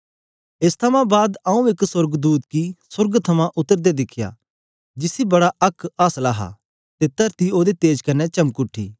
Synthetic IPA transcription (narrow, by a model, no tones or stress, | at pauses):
ɪst̪ʰɐmãbaːd̪ɐũɪksʊɾɡd̪uːt̪kisʊɾɡt̪ʰɐmãʔʊt̪ːəɾd̪ed̪ɪkʰja̰ː | d͡ʒɪsibɐɽaɐkʰːaːslaːɦa̰ | t̪et̪ɐɾt̪ioːd̪et̪eːd͡ʒkɐnːɛt͡ʃɐ̃mkʊʈʰːḭː